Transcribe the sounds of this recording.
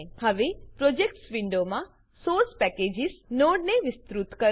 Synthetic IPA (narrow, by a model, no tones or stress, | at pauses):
həʋepɾod͡ʒek̚ʈsʋɪɳɖomã | soɾspɛked͡ʒɪsnoɽneʋɪst̪ɾut̪kə